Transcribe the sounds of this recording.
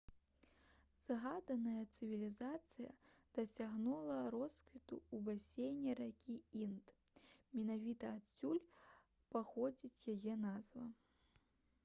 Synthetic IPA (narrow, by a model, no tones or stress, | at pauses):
z̥aɣad̪ɐnɐjɐt̪sɨvʲilʲizat̪sɨjɐ̰d̪̥ɐsʲaɣnulˠɐɾɔskvʲit̪ṵubasʲejnʲiɾakʲiint̪ | mʲɛnavʲit̪ɐasʲulʲ | paxɔd͡zʲit͡sʲjajɛnazvɐ